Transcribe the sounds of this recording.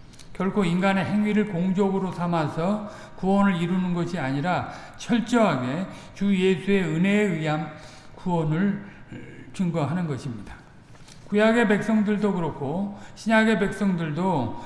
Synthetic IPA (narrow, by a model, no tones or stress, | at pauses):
kjʌɭkʰoinɡane̞ɦe̞ŋɥiɾɯɭkoŋd͡ʑʌɡɯɾosʰamasʰʌ | kuwʌnɯɾiɾunɯnɡʌɕʰiaɲiɾa | t͡ɕʰʌɭt͡ɕ͈ʌɦaɡe̞ | t͡ɕujesʰue̞ɯne̞ːɯɦam | kuwʌnɯɭ | t͡ɕuŋɡʌɦanɯnɡʌɕʰimɲid̥a | kujaɡe̞pe̞k̚s͈ʌŋdɯɭdokɯɾʌkʰoɕʰiɲaɡe̞be̞k̚s͈ʌŋdɯɭdo